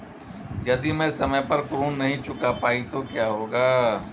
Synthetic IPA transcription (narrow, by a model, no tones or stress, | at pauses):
jɐd̪imɛ̃ːsɐməjpɐɾkɾuːnːɐɦĩt͡ʃʊkapaːit̪okjaːɦoːɡaː